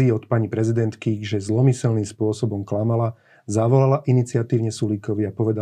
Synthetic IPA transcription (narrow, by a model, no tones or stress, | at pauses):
iːɔt̪paɲipɾɛzid̪ɛnt̪kiʒɛzlɔmisɛlniːmspʊɔsɔbɔmklamala | zaʋɔlalaʔinit͡siat̪iːʊɲɛsulikɔʋiapɔʋɛd̪a